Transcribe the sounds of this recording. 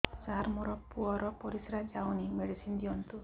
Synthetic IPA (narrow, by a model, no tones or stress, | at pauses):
saɾmoɾɔpuɔɾɔpɔɾisɾad͡ʒawnimeɽisind̪iɔnt̪u